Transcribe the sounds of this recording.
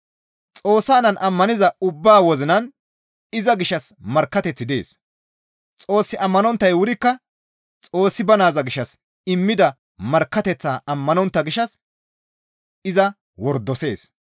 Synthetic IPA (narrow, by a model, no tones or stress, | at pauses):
t͡sʼo̞ːsːaːnɐnʔɐmːɐnɪzɐʊbːaːwɔzɪnɐn | ɪzɐɡɪʃːɐsmɐɾkːɐt̪ɛt͡sːɪd̪e̞̰ːs | t͡sʼo̞ːsːɪʔɐmːɐnɔnt̪ːɐjwʊɾɪkːɐ | t͡sʼo̞ːsːɪbɐnaːzɐɡɪʃːɐs | ɪmːɪd̪ɐ | mɐɾkːɐt̪ɛt͡sːaːʔɐmːɐnɔnt̪ːɐɡɪʃːɐs | ɪzɐ | wɔɾd̪ɔse̞̰ːs